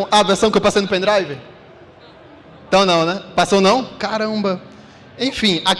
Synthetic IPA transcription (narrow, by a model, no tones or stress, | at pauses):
aveɾsɐ̃w̃kɪewpasejnʊpẽnd̪ɾajvɪ | t̪ɐ̃w̃nɐ̃w̃nɛpasonɐ̃w̃kaɾɐ̃mbɐ | ẽj̃fĩak